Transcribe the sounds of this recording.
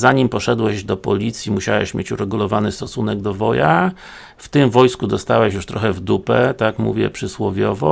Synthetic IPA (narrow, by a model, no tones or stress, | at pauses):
zaɲimpɔʂɛd̪wɛʑd̪ɔpɔlʲit̪sʲjimuɕawɛ̰ɕmʲjet͡ɕuɾɛɡulɔvanɘst̪ɔsunɛɡd̪ɔvɔja | ft̪ɘmvɔjskud̪ɔst̪awɛɕjuʂt̪ɾɔxɛvd̪upɛt̪akmṵvʲjɛ̰pʂɘswɔvʲjɔvɔ